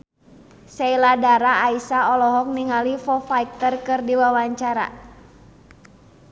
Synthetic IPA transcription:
seiladaɾaːisaɔlɔɦɔk̚niŋalifɔfaik̚t̪ərkɨrdiwawaɲt͡ʃaɾa̰

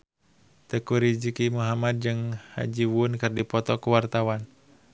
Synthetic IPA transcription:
t̪əkuɾid͡ʒikimuɦamad̪̚d͡ʒɨŋha̰d͡ʒiwunkɨrdipɔt̪ɔkuwart̪awan

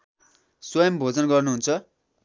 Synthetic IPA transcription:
swʌjʌmbʱod͡zʌnɡʌrnuɦunt͡sʰʌ

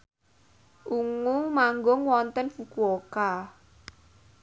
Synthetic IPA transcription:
ʔuŋumaŋɡoŋwɔnt̪ənfukuoka

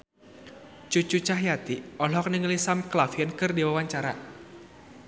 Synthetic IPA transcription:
t͡ʃut͡ʃut͡ʃahjat̪iɔlɔk̚niŋlisamklafiɔnkɨrdiwawaɲt͡ʃaɾa̰

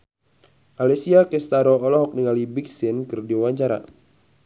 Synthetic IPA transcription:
ʔalɛsiakɛst̪aɾɔːlɔɦɔk̚niŋalibiksinkɨrdiwaɲt͡ʃaɾa̰

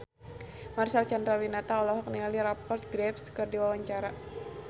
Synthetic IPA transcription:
marsalt͡ʃand̪ɾawinat̪aɔlɔɦɔk̚niŋaliɾapɔrt̪̚ɡɾɛpskɨrdiwawaɲt͡ʃaɾa

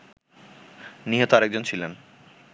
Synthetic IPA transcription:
niɦot̪oaɾek̚d͡ʑont͡ɕʰilen

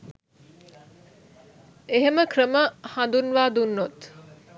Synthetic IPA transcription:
eɦeməkrəməhãnd̪unʋaːd̪unːot̪

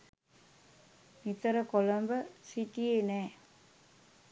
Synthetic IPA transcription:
nit̪əɾəkoləmbəsiʈienɛː

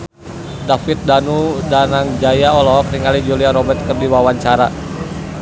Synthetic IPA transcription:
dafit̪̚danudanaŋd͡ʒajaɔlɔkriŋalid͡ʒuliaɾɔbɛrt̪̚kərdiwawaɲt͡ʃaɾa

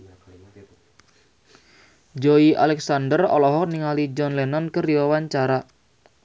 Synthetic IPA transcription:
d͡ʒoiʔa̰lɛksandərɔ̰lɔɦɔkniŋalid͡ʒɔnlɛnɔnkəɾiwawaɲt͡ʃaɾa

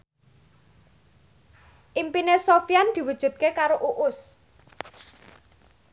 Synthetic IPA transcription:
ʔimpinesofjand̪̥i̤wud̥ʒ̥ṳt̪̚kekaɾoʔuʔʊs

